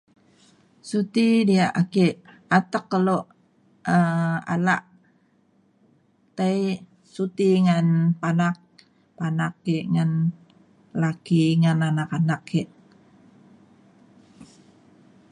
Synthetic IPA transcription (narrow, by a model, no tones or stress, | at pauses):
sut̪idiaʔakeʔ | at̪əkːəloʔ | əa̰laʔ | t̪aj | sut̪iŋanpanak̚ | panakːeʔŋan | lakiŋananakanakʰːeʔ